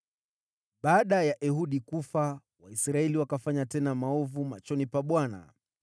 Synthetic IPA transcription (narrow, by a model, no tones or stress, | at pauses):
ɓaːɗajaʔɛɦuɗikufa | waisɾaɛliwakafaɲatɛnamaɔvumat͡ʃɔnipaɓwana̰